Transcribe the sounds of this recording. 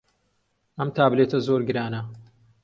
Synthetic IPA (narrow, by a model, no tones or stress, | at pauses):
ʔɐmt̪ʰaːbleːt̪ʰɐzoɾɡɨɾaːnɐ